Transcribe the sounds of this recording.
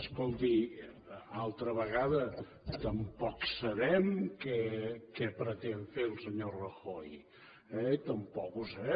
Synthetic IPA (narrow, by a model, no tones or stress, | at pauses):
əskolˠt̪i | alˠt̪ɾəβəɣaðə | t̪əmpɔksəβɛmkɛkɛpɾət̪eɱfelˠsəɲorəxoj | ɛit̪əmpɔkuzɛ